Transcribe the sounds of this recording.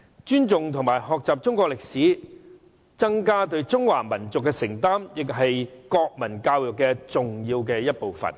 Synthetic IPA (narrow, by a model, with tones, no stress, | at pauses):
t͡ʃyː˥nt͡sʊ˨ŋt̪ʰʊ˨˩ŋmaː˨˩jɦɔː˨k̚t͡saː˨p̚t͡sʊ˥ŋkʷɔː˧k̚lɪ˨k̚siː˨˥ | t͡sɐ˥ŋkaː˥t̪ɵ˧ɥt͡sʊ˥ŋwaː˨˩mɐ˨˩nt͡sʊ˨kːɛ˧sɪ˨˩ŋt̪aː˥mjɪ˨k̚ɦɐ˨jkɔː˧k̚mɐ˨˩nkaː˧wjʊ˨kːɛ˧t͡sʊ˨ŋjiː˧wkɛː˧jɐ˥t̚po˨wfɐ̰˨˩n